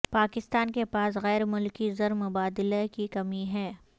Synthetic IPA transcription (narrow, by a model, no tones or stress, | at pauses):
paːkɪst̪aːnkepaːsɣɛːɾmʊlkizɐɾmʊbaːd̪ɪlekikɐmiɦɛː